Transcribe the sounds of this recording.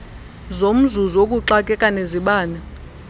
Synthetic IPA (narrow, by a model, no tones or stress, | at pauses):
zom̩zuzokʼuǁakʼɛkʼaneziɓaːnɛ